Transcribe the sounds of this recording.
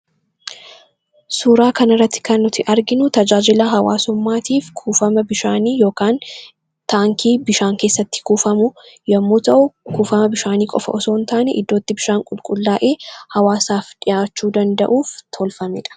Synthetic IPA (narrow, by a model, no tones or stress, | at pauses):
suːɾaːkɐnɪrːɐt̪ːɪ̥kɐnːʊt̪ɪʔɐɾɡɪnʊt̪ɐd͡ʒaːd͡ʒɪlaɦɐwa̰ːsʊmːaːt̪iːfkʰuːfɐmɐbɪʃaːniːjo̞ːkaːn | t̪aːŋkʰiːbɪʃaːŋke̞ːsːɐt̪ːɪ̥kuːfɐmʊjɐmːuːt̪ɐʔʊkuːfɐmɐbɪʃaːniːkʼɔ̰fɐ̰ʔɔso̞ːnt̪aːnɛʔɪd̪ːo̞ːt̪ːɪbɪʃaːŋkʼʊlkʼʊlːaːʔe̞ːhɐwaːsaːfᶑɪjaːt͡ʃːuːd̪ɐnd̪ɐ̰ʔuːft̪ʰɔlfɐmɪᶑɐ̥